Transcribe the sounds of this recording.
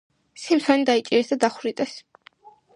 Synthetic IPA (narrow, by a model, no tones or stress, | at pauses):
simsanid̪ait͡ʃʼiɾɛsd̪ad̪aχɾit̪ʼɛs